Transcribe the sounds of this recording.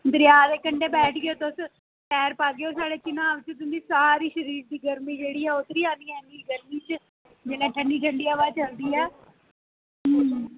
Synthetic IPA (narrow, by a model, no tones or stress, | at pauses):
d̪əɾɪjaːd̪eːkəɳɖeːbɛːʈʰɡeoːt̪eʊs | ʈɛːɾpaːɡeoːsaːɽeːt͡ʃɪnãːʋɪt͡ʃt̪ʊnd̪iːsaːɾiːʃəɾiːɾd̪iːɡəɾmiːd͡ʒeːɽiːɛːʊt̪ɾiːãːnd̪iːɛːɪnd̪iɡəɾmiːt͡ʃ | d͡ʒenãːʈʰəɳɖiːʈʰəɳɖiːaʋaːt͡ʃəld̪iːɛː | ɦəː